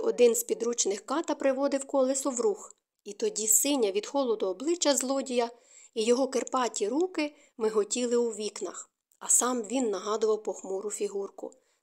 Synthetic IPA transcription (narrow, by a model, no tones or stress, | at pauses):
ɔd̪ɪnzpʲid̪ɾut͡ʃnɪxkɑt̪ɐpɾɪʋɔd̪ɪwkɔlˠɪsɔʋɾux | it̪ɔdʲisɪnʲːɐʋʲid̪xɔlˠɔd̪ɔːblˠɪt͡ʃːɐzlˠɔdʲijɐ | ijɔɦɔkerpɑtʲiɾukɪ | mɪɦɔtʲilˠɪwuʋʲiknɐx | ɐsɑmʋʲinːɐɦɑd̪ʊʋɐwpɔxmuɾʊfʲiɦurkʊ̰